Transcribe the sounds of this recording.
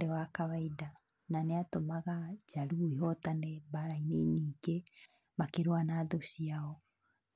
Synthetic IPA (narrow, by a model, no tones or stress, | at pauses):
ɾewakaβaida | naneatomaɣad͡ʒaɾuiɦɔtanɛβaɾaineniːke | makeɾoanaːðoɕiaɔ